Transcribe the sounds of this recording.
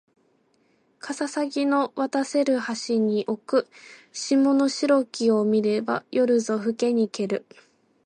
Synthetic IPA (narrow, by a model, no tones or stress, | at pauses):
kʰasasaɡʲino̞βat̪ase̞ɾɯ̟haɕiɲ̟iʔo̞kɯ̟ɕimo̞no̞ɕiɾo̞kʲio̞mʲiɾe̞ba̰jʔo̞ɾɯ̟zo̞ɸɯ̟ke̞ɲ̟ike̞ɾɯ̟